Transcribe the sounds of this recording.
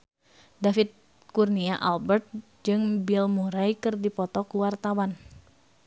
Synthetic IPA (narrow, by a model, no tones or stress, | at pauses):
dafit̪̚ | kurniaʔalbɛrt̪̚ | d͡ʒɨŋbilmuɾajkɨrdipɔt̪ɔkuwart̪awan